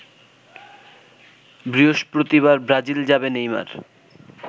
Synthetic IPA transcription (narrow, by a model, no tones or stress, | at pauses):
bɾioʃpɾot̪iβaɾbɾad͡ʑild͡ʑabenejma̰ɾ